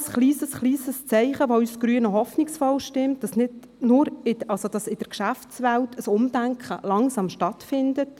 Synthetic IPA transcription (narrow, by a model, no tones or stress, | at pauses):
sχliːsəsχliːsəst͡sɛɪχəʋoysɡ̥ɾyːənəɦɔfnɪksfɔlʃtɪmt̚d̥ɑsnɪd | nʊɾɪɑlsod̥ɑsɪd̥əkʃæft͡sʋæltəsʊmd̥æŋkχəlɑŋsɑmʃtɑtfɪndət